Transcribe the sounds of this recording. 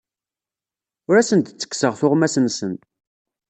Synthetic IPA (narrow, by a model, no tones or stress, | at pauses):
ʊɾæsənt̪t͡sːə̥kːsəʁθʊʁmæsənsənt̪